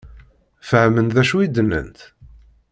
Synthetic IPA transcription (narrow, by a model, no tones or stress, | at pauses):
fəʕmənðæʃuid̪ənːə̰nt̪